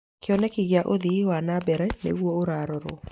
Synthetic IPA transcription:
keɔnɛkiɣeaʔoðiiwanabɛɾɛnḛɣwɔoɾaːɾɔɾɔ̰

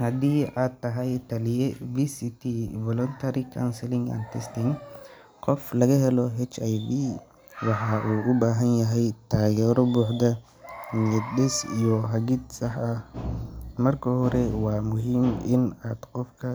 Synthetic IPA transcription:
hɐd̪iːʔaːd̪̚t̪ːɐɦɐjt̪ɐlɪjɛvisit̪ivɔlɔnt̪ʰɐɾikʰansɛlɪŋa̰nt̪ʰɛst̪ɪŋ | qɔflɐɣɐɦɛlɔɦɛt͡ʃajvi | wɑħɑʔuːʔʊbaːɦɐnjɐɦɛjt̪ʰaːɡɛːɾɔbuːħd̪ɐ | miɛd̪ɗɛsijɔɦɐɡid̪sɐħɐ | mɐrkʰɐhɔɾɛwaːmʊɦimɪnaːd̪̥qɔfkʰɐ

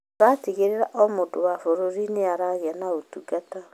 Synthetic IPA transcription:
ɾateɣeɾeɾaʔɔmodowafoɾoɾineaɾaɣeanaotuɡata

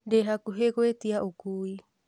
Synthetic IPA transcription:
deɦakuɦeɡoet̪iaʔukuj

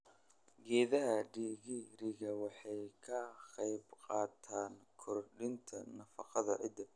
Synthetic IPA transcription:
ɡɛːðɐɦɐɖiːɣiɾɪɣɐwɑħɑjkʰɐqɑjbqɑːt̪ʰaːŋkʰɔrɖɪnt̪ʰɐnɐfɑqɑðɐʕɪd̪ɐ

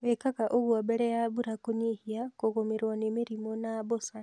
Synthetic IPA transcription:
βekakaʔoβwaβeɾejaβuɾakuɲihiakokomiɾwanemiɾimonaβosa

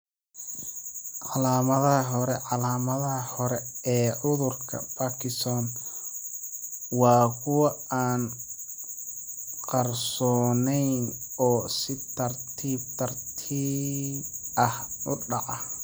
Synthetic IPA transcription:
ʕɑlaːmɐðɐɐɦɔɾɛʕɑlaːmɐðɐhɔɾɛɛːʕʊðʊrkʰɐ̰baːkʰɪsɔːn | wɑːkʰʊwɐaːn | qɑrsɔːnɛjn | ɔːsɪt̪ʰɐrt̪ʰiːb̚t̪ʰɐrt̪ʰiːbɐhʊɖɑʕɑ

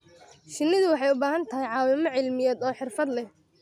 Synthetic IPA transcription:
ʃɪnːɪðʊwɑħɑjʊbaːɦɐnt̪ʰɐɦɛjʕɑːwɪmɔʕɪlmɪjɛːd̪ɔːħɪrfɐd̪lɛ

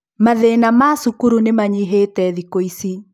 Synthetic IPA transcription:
maðenamasukuɾunemaɲiɦetɛðikoisi

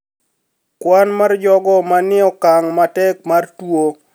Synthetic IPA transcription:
kwanmard͡ʒɔɡɔmanɪɔkaŋmatɛk̚martwo

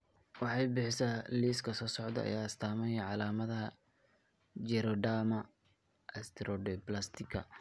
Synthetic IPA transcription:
wɑħɑjbɪħɪsaliːskʰɐsɔːsɔʕd̪ɐ̰ɐ̰jaːɪst̪ʰaːmɐjʕɑlaːmɐðɐɦɐ | d͡ʒɛɾɔɖamɐ | ɐst̪ʰɛɾɔɖɛplast̪ʰɪkʰɐ̰

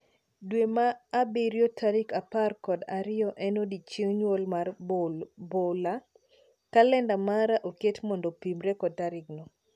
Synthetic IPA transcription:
dwemaːbɪɾjotʰaɾikaparkɔdaɾɪɔʔɛnodit͡ʃiŋɲwolmar | bola | kalɛndamaɾaʔoketmɔndɔpimɾɛkɔdaɾɪɡnɔ

